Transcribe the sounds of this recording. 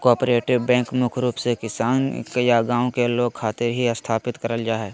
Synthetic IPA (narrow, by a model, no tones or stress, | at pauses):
kɔːpɾeːʈɪʋbɛ̃ːŋkmʊkʰɾuːpsekɪsaːnkjaɡãːõkeloːɡ̚kʰaːt̪ɪɾɦiɐst̪ʰaːpɪt̪kɐɾəld͡ʒaːɦɛː